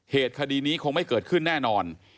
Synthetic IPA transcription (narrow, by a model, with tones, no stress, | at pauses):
heː˨˩t̪̚kʰa˧diː˧niː˦˥kʰo˧ŋma˥˩jkɤː˨˩t̪̚kʰɯ˥˩nːɛː˥˩nɔː˧n